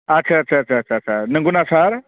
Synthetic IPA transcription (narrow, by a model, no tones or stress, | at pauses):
ɐtːʃʰaːtːt͡ʃʰaːtːt͡ʃʰaːt͡ʃʰaːt͡ʃʰanəŋɡunasaɾ